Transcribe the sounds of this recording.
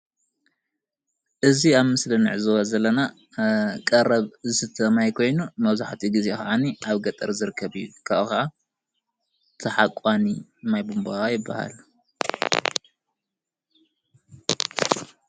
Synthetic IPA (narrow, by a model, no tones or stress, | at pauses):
ʔɨziaβmɨslɨnɨ̰ʕzɨwɐzɐlːɐna | kʼɐɾɐβzɨsɨt̪ʰɐmajkʰo̞jnumɐβzaħt̪ʰiɡɨzeka̰ʕaniaβɡɐt̪ʼɐɾzɨɾɨkʰːɐβɨjːukʰakɐʔa | t̪ʰɐħakʼanimajbumbaajɪbːaha̰l